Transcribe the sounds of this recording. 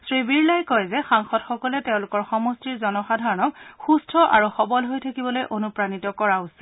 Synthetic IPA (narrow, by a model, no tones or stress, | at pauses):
sɹibiɹlajkɔjzɛxaŋxɔtxɔkɔlɛteʊ̃lʊkɔɹxɔmɔstiɹzɔnɔxadʱaɹɔnɔkxustʰɔʔa̰ɹuxɔbɔlɦojtʰakibɔlojʔonupɹanitɔkɔɹausi̥